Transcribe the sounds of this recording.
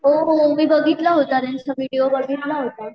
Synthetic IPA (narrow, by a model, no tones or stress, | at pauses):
ɦoɦmiːbəɡʱit̪laɦot̪aɾensəʋiɽiobəɡʱit̪laɦot̪a